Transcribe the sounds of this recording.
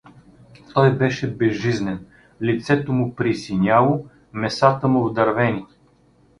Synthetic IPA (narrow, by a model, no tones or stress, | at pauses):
t̪ɔjbɛʃɛbɛzːiznɛn | lit̪sɛt̪omʊpɾisinʲalˠo | mɛsat̪əmʊvd̪ɐɾvɛnʲi